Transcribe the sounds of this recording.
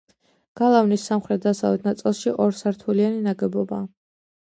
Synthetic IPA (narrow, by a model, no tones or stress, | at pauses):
ɡ̥alˠavnisːamχɾɛt̪̚d̪asavɛt̪̚ʰnat̪sʼlˠʃiʔɔɾsaɾt̪ʰulianinaɡɛbɔba